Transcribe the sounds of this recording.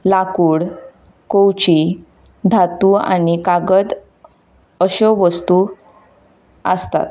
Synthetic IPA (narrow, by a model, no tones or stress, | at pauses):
lakuːɽ | kowt͡ɕi | d̪ʱat̪ua̰nikaɡəd̪ | əɕəʋəst̪u | ə̰st̪a̰t̪